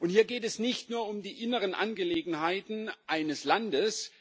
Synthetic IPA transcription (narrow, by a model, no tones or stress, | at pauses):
ʔʊnthiːɐɡeːtɛsnɪçtnuːɐʊmdiːʔɪnəʁənʔa̰nɡəleːɡŋ̩ɦaɪtn̩ʔaɪnəslandəs